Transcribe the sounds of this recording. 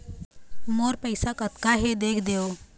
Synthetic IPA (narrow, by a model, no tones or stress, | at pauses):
moːɾpəɪsakət̪kaɦed̪eːkʰd̪eoː